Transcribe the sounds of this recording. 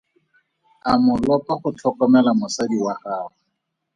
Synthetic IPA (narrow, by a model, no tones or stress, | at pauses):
amʊlɔpaχʊt͡ɬʰɔkɔmɛlamʊsadiwaχaːχɔ